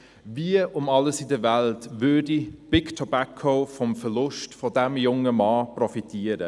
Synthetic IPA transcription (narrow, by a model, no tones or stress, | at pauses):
viəʊmɑləsɪdəvæltvʏdib̥ɪɡtʰɔbakʰoʊfɔmfəɾlʊstfɔdæmjʊŋəmɑːprɔfitiəɾə